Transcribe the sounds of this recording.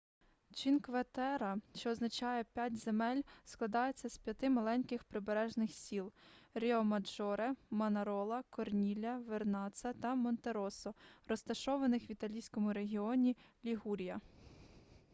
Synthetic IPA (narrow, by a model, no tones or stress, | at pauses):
t͡ʃinkʋɐt̪ɛɾɐʃt͡ʃɔːznɐt͡ʃɑjɛpʲjatʲzemɛlʲsklˠɐd̪ɑjet͡sʲːɐspʲjɐt̪ɪmɐlˠɛnʲkɪxpɾɪbeɾɛʒnɪxsʲilˠɾʲeɔmɐd͡ʒɔɾemɐnɐɾɔlˠɐkɔrnʲilʲɐʋernɑt̪sɐt̪ɐmɔnt̪eɾɔsɔɾɔst̪ɐʃɔʋɐnɪxʋʲit̪ɐlʲijsʲkɔmʊɾe̞ɦʲiɔnʲilʲiɦuɾʲijɐ